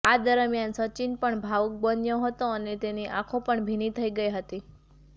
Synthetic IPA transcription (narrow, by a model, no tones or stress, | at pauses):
ad̪əɾmjansət͡ʃinpəɳbʱaʋuk̚bənjəɦət̪oənet̪eniʔakʰõpəɳbʱinit̪ʰəiɡəjɦət̪i